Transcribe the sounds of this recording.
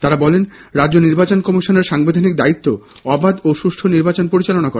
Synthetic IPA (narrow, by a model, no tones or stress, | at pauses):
t̪aɾabɔlenɾadd͡ʑoniɾbat͡ɕonkɔmiʃoneɾʃaŋbed̪ʱanikd̪ait̪ːo | ɔbad̪oʃuʃʈʰoniɾbat͡ɕonpoɾit͡ɕalonakɔɾa